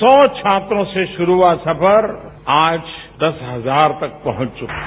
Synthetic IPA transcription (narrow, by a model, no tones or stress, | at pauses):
sɔ̃ːt͡ʃʰaːt̪ɾõseʃʊɾuasɐpʰəɾaːd͡ʒ | d̪ɐsɦɐzaːɾt̪ɐk̚pɐɦʊ̃t͡ʃt͡ʃʊkː